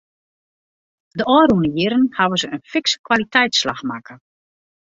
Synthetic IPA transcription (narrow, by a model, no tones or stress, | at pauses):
dəɔːɾunəjɪɾənhaʋəzəənfɪkskwalitʰɛjtslaxmakʰə